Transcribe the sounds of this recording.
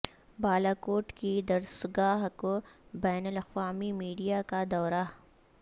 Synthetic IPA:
baːlakoːʈkid̪ɐɾsɡaːɦkobɛːnəlɐqwaːmimiːɖijakad̪ɔːɾa

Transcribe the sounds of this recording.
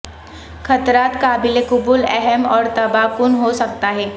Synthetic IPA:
xʰɐt̪ɾaːt̪kaːbɪlekʊbulɛɦɛmɔːɾt̪ɐbapʊnɦosɐk̚t̪aɦɛː

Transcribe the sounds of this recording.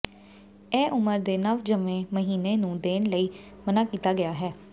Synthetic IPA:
ɛːʔʊməɾd̪eːnəʋd͡ʒəmẽːməɦiːneːnũːd̪eːnləiː | mənaːkiːt̪aːɡɪjaːɦɛː

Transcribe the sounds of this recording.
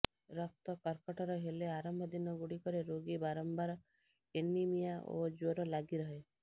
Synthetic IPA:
ɾɔk̚t̪ɔkɔɾkɔʈɔɾɔɦeleaɾɔmbʱɔd̪inɔɡuɽikɔɾeɾoɡibaɾɔmbaɾɔ | enimijaʔo̰d͡ʒoɾɔlaɡiɾɔɦe

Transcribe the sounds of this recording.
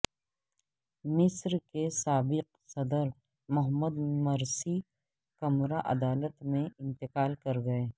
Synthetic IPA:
mɪsɾkesaːbɪq̚ | sɐd̪əɾ | mɐɦmːəd̪mɐɾsi | kɐmɾaʔɐ̰d̪aːlət̪mẽɪ̃nt̪ɪqaːlkɐɾɡɐeː

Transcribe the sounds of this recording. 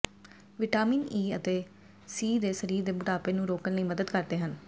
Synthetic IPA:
ʋɪʈaːmiːniːət̪eː | siːd̪eːsəɾiːɾd̪eːbʊʈaːpeːnũːɾoːkənləiːməd̪əd̪kəɾd̪eːɦən

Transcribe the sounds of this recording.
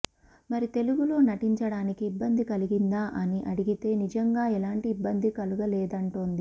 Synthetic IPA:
mɐɾit̪e̞luɡulo̞ːnɐʈiɲt͡ʃɐɽaːnikiːbːɐnd̪ikɐliɡind̪aːʔɐniʔɐɽiɡit̪e̞ːnid͡ʒɐŋɡaːɛlaːɳʈiːbːɐnd̪ikɐluɡɐlɛːd̪ɐɳʈoːnd̪i

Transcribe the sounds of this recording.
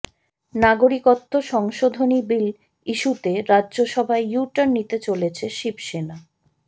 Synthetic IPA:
naɡoɾikot̪ːoʃɔŋʃod̪ʱonibil | iʃut̪eɾadʑoʃɔbʱaejuʈanːit̪et͡ɕolet͡ɕʰeʃibʃena

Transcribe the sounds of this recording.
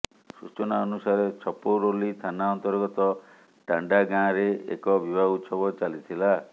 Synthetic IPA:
sut͡ʃɔnaɔnusaɾet͡ʃʰɔpowɾolit̪ʰanaɔnt̪ɔɾɡɔt̪ɔ | ʈaɳɖaɡãɾeḛkɔbibʱaut̪sɔbɔt͡ʃalit̪ʰila

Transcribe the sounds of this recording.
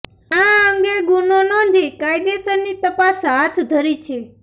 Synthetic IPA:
ãəŋɡeɡunonɔ̃nd̪ʱikajd̪esənnːit̪əpasɦat̪ʰd̪ʱəɾit͡ʃʰe

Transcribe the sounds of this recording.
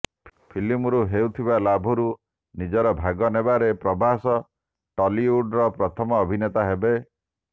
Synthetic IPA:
pʰilimɾuɦewt̪ʰibalabʱɔɾu | nid͡ʒɔɾɔbʱaɡɔnebaɾepɾɔbʱasɔ | ʈɔliuɖɾɔpɾɔt̪ʰɔmɔːbʱinet̪aɦebe

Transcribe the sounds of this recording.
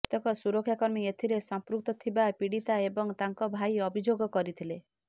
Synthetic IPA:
t̪ɔkɔsuɾɔkʰːjakɔɾmiet̪ʰiɾesɔmpɾuk̚t̪ɔt̪ʰibapiɽit̪aebɔŋt̪aŋkɔbʱajɔbʱid͡ʒoɡɔkɔɾit̪ʰile

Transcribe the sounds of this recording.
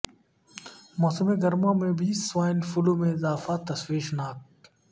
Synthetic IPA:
mɔːsəmeɡɐɾmãmẽbʱiːswaːɪnfuluːmẽɪzaːfat̪ɐswiːʃnaːk̚

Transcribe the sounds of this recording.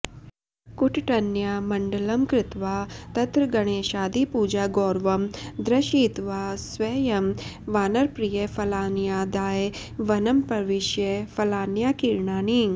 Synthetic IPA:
kuʈʈɐnjaːmɐɳɖɐlɐmkɾɪt̪ʋaːt̪ɐt̪ɾɐɡɐɽ̃eːʃaːd̪ipuːd͡ʒaːɡoːɾʋɐmd̪ɾɐʃiːt̪ʋaːsʋeːjɐm | ʋaːnɐɾpɾijefɐlaːnjaːd̪aːe | ʋɐnɐmpɐɾʋɪʃjefɐlaːnjaːkiɾɳaːniŋ

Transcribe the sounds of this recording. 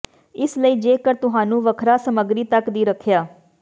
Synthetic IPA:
ɪsləiːd͡ʒeːkəɾt̪ʊɦãːnũːʋəkʰɾaːsəməɡɾiːt̪əkd̪iːɾəkʰjaː

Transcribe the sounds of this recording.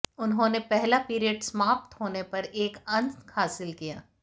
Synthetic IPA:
ʊnɦõnepɛɦlapiːɾijəɖsmaːp̚t̪hoːnepɐɾeːkɐ̃nt̪haːsɪlkijaː

